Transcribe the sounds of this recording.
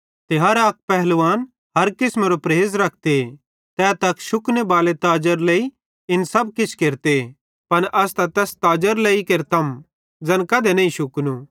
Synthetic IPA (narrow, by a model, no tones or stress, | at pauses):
t̪eɦɐɾak̚pɛɦlʋaːn | ɦɐɾkɪsmeːɾopɾeːzɾɐk̚ʰt̪e | t̪ɛːt̪ɐkʃʊknebaːlet̪aːd͡ʒəɾlei | ɪnsɐb̚kɪt͡ʃʰkeːɾt̪e | pɐnʔɐst̪ɐt̪ɛːst̪aːd͡ʒəɾleikeɾt̪ʰɐm | d͡zɐ̃nkɐd̪enɐĩʃʊknu